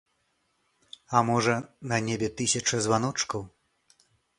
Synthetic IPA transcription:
amɔʐɐnɐnʲebʲɛt̪ɨsʲɐt͡ʂɐzvanɔt͡ʂkɐw

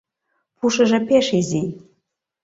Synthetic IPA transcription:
pʰuʂɨʐɐpʰeʂizij

